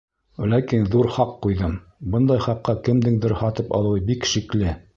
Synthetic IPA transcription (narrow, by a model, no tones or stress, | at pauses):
lækinðuɾχɑqːujðɤm | bɤnd̪ɑjχɑqːɑkɘ̆md̪ɘŋd̪ɘ̆ɾhɑt̪ɤpɑ̰lˠɤ̆wɤbikʃiklɘ